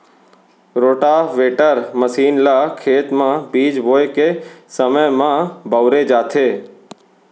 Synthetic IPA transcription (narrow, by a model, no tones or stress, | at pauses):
ɾoːʈaʋeːʈəɾməsiːnlaːkʰeːt̪mãbiːd͡ʒʋoːjkesəməjmãbəʊɾed͡ʒaːt̪ʰeː